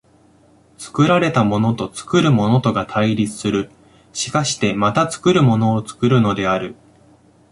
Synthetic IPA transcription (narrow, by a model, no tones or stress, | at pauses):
t͡sɨ̥kɯ̟ɾaɾe̞t̪amo̞no̞t̪o̞t͡sɨ̥kɯ̟ɾɯ̟mo̞no̞t̪o̞ɡat̪ʰaiɾʲit͡sɨ̥sɨɾɯ̟ | ɕi̥kaɕi̥t̪e̞mat̪at͡sɨ̥kɯ̟ɾɯ̟mo̞no̞ːt͡sɨ̥kɯ̟ɾɯ̟no̞d̪e̞aɾɯ̟